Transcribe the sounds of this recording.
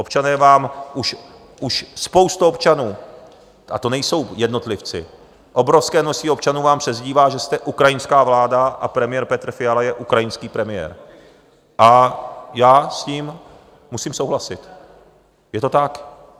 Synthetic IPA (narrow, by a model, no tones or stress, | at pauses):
ʔo̞pt͡ʃanɛːvaːmʔuʃ | ʔuʃspo̞wst̪uopt͡ʃanuː | ʔa̰t̪onɛjso̞wjɛdno̞t̪lɪft͡sɪ̰ | ʔo̞bɾo̞fskɛːnosiːo̞p̚t͡ʃanuːvaːmpr̥ɛzɟiːvaːʒɛst̪ɛʔukɾajɪnskaːvlaːdaʔapɾɛmɪjɛɾpɛt̪r̩fɪjalajɛʔukɾajɪnskiːpɾɛmɪjɛ̰ɾ | ʔajaːsciːm | musiːmso̞wɦlasɪt̪ | jɛt̪o̞t̪ak